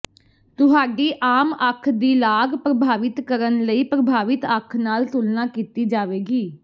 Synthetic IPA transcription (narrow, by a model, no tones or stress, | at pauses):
t̪ʊɦaːɖiːʔaːməkʰd̪iːlaːɡpɾəbʱaːʋɪt̪kəɾənləiːpɾəbʱaːʋɪt̪əkʰnaːlt̪ʊlnaːkiːt̪iːd͡ʒaːʋeːɡiː